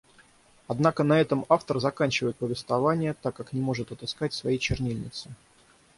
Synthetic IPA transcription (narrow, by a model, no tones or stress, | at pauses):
ɐd̪nakənɐɛt̪əmaft̪ərzɐkanʲt͡ɕɪvəjɪt̪pəvʲɪst̪vɐvanʲɪjət̪akːaknʲɪmo̞ʐɨt̪ɐt̪ɨskatʲsvɐjejt͡ɕɪrnʲilʲnʲɪ̰t̪sɨ